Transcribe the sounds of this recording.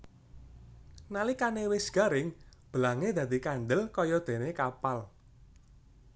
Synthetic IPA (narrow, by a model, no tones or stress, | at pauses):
nalikanewɪsɡ̥a̤ɾɪŋb̥əlaŋed̪̥a̤d̪̥ikand̪əlkɔjɔd̪̥e̤nekapal